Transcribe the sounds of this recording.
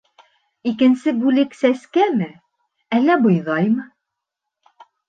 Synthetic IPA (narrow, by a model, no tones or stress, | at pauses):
ikɘ̆nsɘbʉlɘksæskæmɘ | ælːæbŏjðɑjmɤ